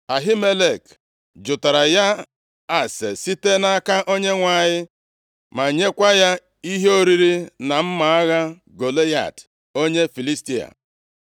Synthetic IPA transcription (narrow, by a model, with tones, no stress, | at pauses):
a˨ɦi˦me˦le˨k | d͡ʒʊ˨ta˨ɾa˨ja˦ | a˨sḛ˨si˦te˦na˦ka˦ʔo˦ɲe˦ŋʷa˨ɲɪ˦ | ma˨ɲe˦kʷa˦ja˦ | i˦ɦo˦ɾi˦ɾi˦na˨m̩˦ma˨a˦ɣa˦ | ɡo˨le˦ja̰˨t | o˦ɲe˦fi˨li˦sti˦a̰˨